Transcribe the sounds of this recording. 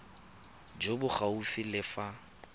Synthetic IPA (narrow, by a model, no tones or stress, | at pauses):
d͡ʒobʊχaufilɪfa